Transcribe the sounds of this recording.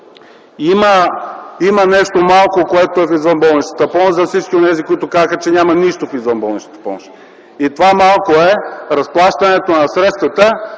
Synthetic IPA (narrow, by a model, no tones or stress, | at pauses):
imə | imənɛʃt̪omalˠkokoɛt̪oɛfizvənbɔlˠnit͡ʃt̪ə̥t̪əpɔmoʃzɐfsit͡ʃkʲionɛzikoit̪okazəxət͡ʃɛnʲamɐniʃt̪ofizvənbɔlˠnit͡ʃt̪ət̪ə̥pɔ̰moʃ | it̪ovamalˠkoɛɾɐsplˠaʃt̪ɐnɛt̪onɐsɾɛt̪st̪vɐt̪ə